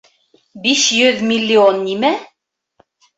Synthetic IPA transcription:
biʃjɵðmʲilʲːionːimæ

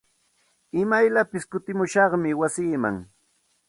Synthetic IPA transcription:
ɪmajlapɪskʊt̪ɪmʊʃɑχmɪwasiːma̰ŋ

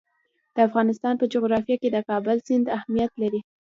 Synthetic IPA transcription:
d̪̥əafɣɑnɪst̪ɑnpəd͡ʒoɣɾɑfijɑked̪əkɑbəlzɪnd̪ahmijat̪laɾi

